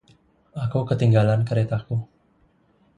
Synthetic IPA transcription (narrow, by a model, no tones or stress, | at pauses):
akukət̪iŋɡalankəɾet̪aku